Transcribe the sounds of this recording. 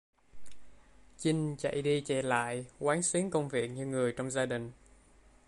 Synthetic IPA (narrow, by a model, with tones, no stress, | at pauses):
t͡ɕï˧ŋ̟t͡ɕa̰˧˨jɗi˧t͡ɕɛ˧˩la̰ː˧˨jkwaː˨˦nsi˨˦əŋkə˧wŋ͡mvi˨˩ək̚ɲɨ˧ŋɨ˨˩əjt͡ɕɔ˧wŋ͡mzaː˧ɗï˨˩ŋ̟